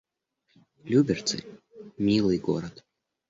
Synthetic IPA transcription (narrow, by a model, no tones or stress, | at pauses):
lʲubʲɛrt̪sɨ̰ | mʲilˠɨɡɔ̰ɾɐt̪